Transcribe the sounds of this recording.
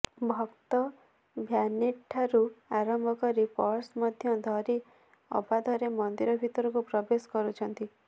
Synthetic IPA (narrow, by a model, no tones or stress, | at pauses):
bʱɔkt̪ɔ | bʱjaniʈʰːaɾuaɾɔmbʱɔkɔɾipɔɾsmɔd̪ʱjɔd̪ʱɔɾi | ɔ̰bad̪ʱɔɾemɔnd̪iɾɔbʱit̪ɔɾɔkupɾɔbeskɔɾut͡ʃʰɔnt̪i